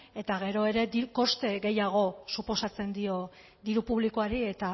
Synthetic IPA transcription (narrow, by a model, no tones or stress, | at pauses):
e̞t̪aɣe̞ɾo̞e̞ɾe̞d̪iko̞st̪e̞ɣe̞jaɣ̞o̞supo̞sat͡se̞nd̪io̞ | d̪iɾupuβlikoaɾie̞t̪a